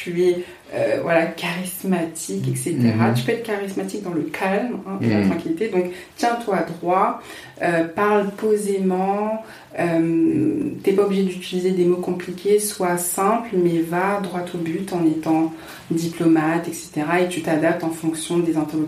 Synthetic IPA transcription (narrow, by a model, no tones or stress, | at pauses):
t̪yɛ | ø̰vwalakaʁismat̪ʰikɛkset̪eʁat̪y̥pøɛt̪χkaʁismat̪ik̚d̪ɑ̃ləkʰalmɛ̃pula̰t̪χɑ̃kʲilit̪ed̪ɔ̃k | t̪jɛ̃t̪wad̪ʁwa | øpaʁlpozemɑ̃ | ømt̪yɛpaobliʒed̪yt̪ilized̪emokɔ̃plikʲʰeswasɛ̃plmɛvad̪ʁwat̪ʰobyt̪ɑ̃net̪ɑ̃ | d̪iplɔmat̪ɛkse̥t̪eʁaet̪yt̪ad̪ap̚t̪ɑ̃fɔ̃ksjɔ̃d̪ezɛ̃t̪eʁlo